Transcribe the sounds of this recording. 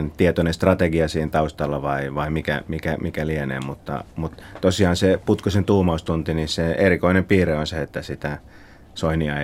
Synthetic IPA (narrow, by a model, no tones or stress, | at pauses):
nt̪iet̪onest̪rɑt̪eɡiɑsiːhent̪ɑust̪ɑlːɑʋɑiʋɑimikæ̰mikæmikælienḛːmut̪ːɑ̰mut̪t̪osiɑːnseput̪kusent̪uːmɑust̪unt̪iniseerikoinempiːreonseet̪ːæsit̪æ | soiniɑi